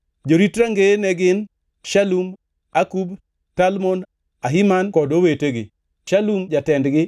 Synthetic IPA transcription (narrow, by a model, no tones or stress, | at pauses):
d͡ʒoɾitɾaŋɡenɛɡɪn | ʃalum | akub | talmon | aɦɪmankɔdoweteɡɪ̰ | ʃalumd͡ʒatɛndɡɪ